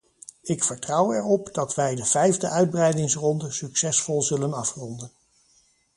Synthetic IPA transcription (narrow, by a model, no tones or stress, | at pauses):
ɪkfəɹtrɑwɛɹɔpd̥ɑtʋɛjdəv̥ɛjvdəʔœɥd̚brɛjdɪŋsrɔndəsyksɛsfɔlˠzɵlənɑfrɔndən